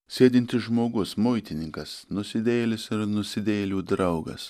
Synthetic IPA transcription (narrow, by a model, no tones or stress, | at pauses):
sʲeːd̪ʲɪnʲt̪ʲɪʒmoːɡʊsmʊɪt̪ʲɪnʲɪŋkɐsnʊsʲɪd̪ʲeːlʲɪsɪɾnʊsʲɪd̪ʲeːlʲuːd̪ɾɐʊɡɐ̰s